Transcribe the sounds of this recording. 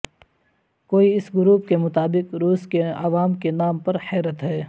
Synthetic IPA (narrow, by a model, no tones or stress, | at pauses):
koːiɪsɡʊɾuːp̚kemʊt̪aːbɪqɾuːskeɐ̰ʋaːmkenaːmpɐɾhɛːɾət̪ɦɛː